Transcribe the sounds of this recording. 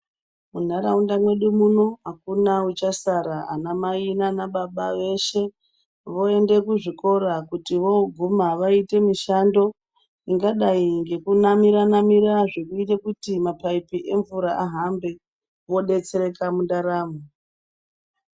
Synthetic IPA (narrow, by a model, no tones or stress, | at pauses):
mun̤aɾaundamwe̞ɗumuno̞ɦakunaut͡ʃasaɾaa̰namainanaɓaɓaʋe̞ʃe̞ | ʋo̞e̞nde̞kuʐiko̞ɾakutiʋo̞ɡʱumaʋaite̞miʃando̞ | iŋɡaɗaiŋɡe̞kunamiɾanamiɾaʐe̞kuitekutimapaipiʔe̞ɱvuɾaʔaɦambe̞ | ʋo̞ɗe̞t͡seɾe̞kamundaɾaːmo